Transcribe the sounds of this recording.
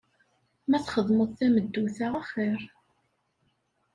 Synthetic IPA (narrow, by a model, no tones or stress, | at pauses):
mæθχəðˤməðˤθæməd̪ːuθaʁaχɪɾ